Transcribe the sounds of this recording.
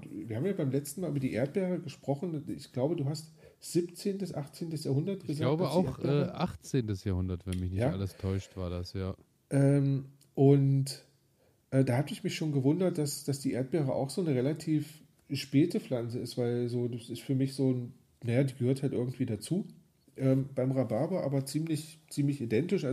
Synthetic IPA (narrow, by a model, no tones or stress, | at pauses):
viːɐhaːmjaːbaɪmlɛt͡stn̩maːlʔyːbɐdiːʔḛːɐt̚b̥ɛːʁəɡəʃpʁ̥ɔχn̩ɪ̰çɡ̥laʊbəduːhast | z̥ipt͡seːntəsʔaχt͡seːntəsjaːhʊndɐt̚ɡɡ̥əzalaʊbəa̰ʊʔɛːʔa̰χt͡seːntəsjaːhʊndɐtv̥ɛnmɪçnɪçjaːʔa̰ləstʰɔʏʃtv̥aːɐdasjaː | ʔɛːm | ʔʊnt | ʔɛːdaːhaːtəɪçmɪçʃoːnɡəvʊndɐt̚d̥asd̥asd̥iːʔḛːɐt̚b̥ɛːʁəʔa̰ʊxz̥oːnəʁelatʰiːf | ʃpɛːtəflant͡səɪstv̥aɪlzoːdasɪstfyːɐmɪçz̥oːn | najaːdiːɡəhøɐthaltʔɪɐɡŋ̩tv̥iːdat͡suː | ʔɛːmb̥aɪmʁabaɐboʔa̰ːbɐt͡siːmlɪçt͡siːmlɪçidɛntɪʃʔa